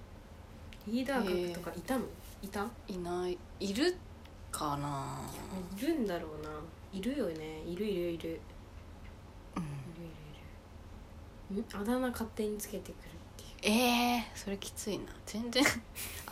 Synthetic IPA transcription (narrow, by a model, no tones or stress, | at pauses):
ɾʲiːd̪aːkakɯ̥t̪o̞kaʔit̪ano̞ | it̪ainai | iɾɯ̟ | kʰanaoiɾɯ̟̃nd̪aɾo̞ːna | iɾɯ̟jo̞ne̞iɾɯ̟iɾɯ̟iɾɯ̟ | ɯ̟̃iɾɯ̟iɾɯ̟iɾɯ̟ | ɯ̟̃ad̪anakat̪ːe̞ɲ̟it͡sɨ̥ke̞t̪e̞kɯ̟ɾɯ̟t̪ːe̞jɯ̟eso̞ɾe̞kʲi̥t͡sɨinad͡z̥ẽ̞nd͡zẽ